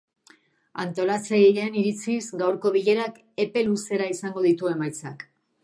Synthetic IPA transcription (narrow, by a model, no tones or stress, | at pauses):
a̰nt̪o̞lat͡seʎeniɾit͡sizɡawɾko̞β̞iʎe̞ɾak | e̞pe̞luse̞ɾaisaŋɡo̞ðit̪ue̞majt͡sak